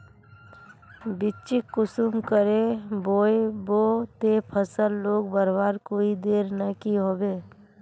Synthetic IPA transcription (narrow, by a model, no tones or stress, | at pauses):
bɪt͡ʃɪkkːʊsumkəɾeboːeboːt̪epʰəsəlːoːɡ̚bəɾbaːɾkoːid̪eːɾnəkiɦoːbeː